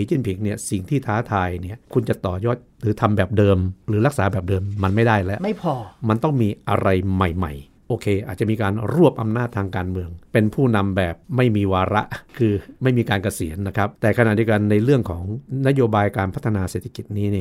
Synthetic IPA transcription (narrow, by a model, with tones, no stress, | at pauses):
i˨˩˦t͡ɕi˥˩npʰi˩˦ŋni˥˩əsi˨˩ŋt̪ʰiː˥˩t̪ʰaː˦˥t̪ʰaː˧jni˥˩əkʰu˧nt͡ɕa˨˩t̪ɔː˨˩jɔː˥˩t̪̚ɾɯː˩˦t̪ʰa˧mbɛː˨˩p̚dɤː˧mɾɯː˩˦la˦˥k̚saː˩˦bɛː˨˩p̚dɤː˧mːa˧nma˥˩jda˥˩jlɛ˦˥ʔma˥˩jpʰɔː˧ma˧nt̪ɔ˥˩ŋmiː˧ʔa̰˧ɾa˧jma˨˩jma̰˨˩j | ʔoː˧kʰeː˧ʔaː˨˩t̪̚t͡ɕa˨ʔmiː˧kaː˧nɾu˥˩əp̚ʔa˧mnaː˥˩t̪ʰːaː˧ŋkaː˧nmɯ˧əŋpe˧npʰuː˥˩na˧mbɛː˨˩p̚ma˥˩jmiː˧waː˧ɾa˦˥ʔkʰɯː˧ma˥˩jmiː˧kaː˧nka˧si˨˩˦ənːa˦˥kʰɾa˦˥p̚t̪ɛː˨˩kʰa˧na˨˩t̚di˧ə˧ka˧nːa˧jɾɯ˥˩əŋkʰɔː˩˦ŋna˦˥joː˧baː˧jkaː˧npʰa˦˥t̪ʰːa˧naː˧seː˨˩t̪ʰːa˧ki˨˩t̪̚niː˦˥ni˥˩ə